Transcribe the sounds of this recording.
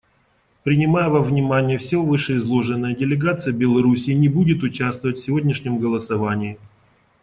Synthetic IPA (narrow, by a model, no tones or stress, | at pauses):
pɾʲɪnʲɪmajʊvamvnʲɪmanʲɪjəfsʲovɨʂɨɪzlˠo̞ʐɨnːəjədʲɪlʲɪɡat̪sɨjəbʲɪlˠɐɾusʲɪːnʲɪbudʲɪt̪ʊt͡ɕast̪vəvətʲfʲsʲɪvo̞dʲnʲɪʂnʲɪmɡəlˠəsɐvanʲɪɪ